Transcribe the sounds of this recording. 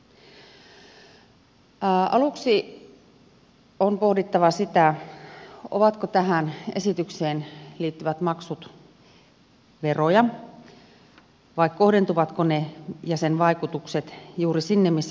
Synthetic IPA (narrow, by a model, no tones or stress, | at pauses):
ɑluksi | onpohdit̪ːɑʋɑsit̪æ | o̰ʋɑt̪kot̪æɦænesit̪ykseːnliːt̪ːyʋæt̪mɑksut̪ | ʋerojɑ | ʋɑikko̞hde̞nt̪uʋɑt̪konejɑsenʋɑikut̪ukset̪juːrisinːemmisː